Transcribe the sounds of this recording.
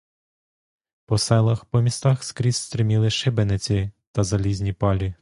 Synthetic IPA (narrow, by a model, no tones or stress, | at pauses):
pɔsɛlˠɐxpɔmʲist̪ɑxskɾʲisst̪ɾɪmʲilˠɪʃɪbenɪt͡sʲit̪ɐzɐlʲizʲnʲipɑlʲi